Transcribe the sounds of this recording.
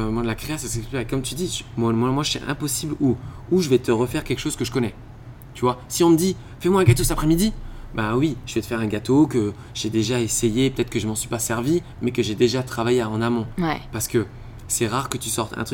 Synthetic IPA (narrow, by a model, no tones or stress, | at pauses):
mwalakχeasɛsɛsy̥pɛekɔmt̪yd̪imwamwamwaʒəsḭʔɛ̰̃pɔsiblu | uʒəvɛt̪əʁəfɛʁkʲɛlkʃozkəʒəkɔnɛ | t̪yvwasiɔ̃məd̪i | fɛmwaɛ̃ɡat̪osɛapχɛmid̪ibawiʒəvɛt̪əfɛʁɛ̃ɡat̪okə | ʒed̪eʒaesejepət̪ɛt̪χəkəʒəmɑ̃sɥipasɛʁvi | mɛkəʒed̪eʒat̪χavajeɑ̃namɔ̃paʁsə̥kə | sɛʁaʁkət̪ysɔʁt̪ʰɛ̰̃t̪χy